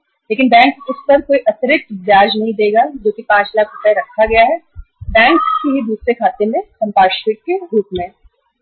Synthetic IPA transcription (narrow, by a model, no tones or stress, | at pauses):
leːkɪnbɛ̃ːŋksʊspɐɾkoːiʔɐt̪ɾɪt̪d͡ʒaːd͡ʒnɐɦĩd̪eːɡad͡ʒoːkipãːt͡ʃlaːkɾʊpɛɾɐkʰːaɡɐjaɦɛːbɛ̃ːŋkskiɦibʱuːt̪sekʰaːt̪emẽsɐ̃mpaːʃkɪʈ̚keɾuːpmẽ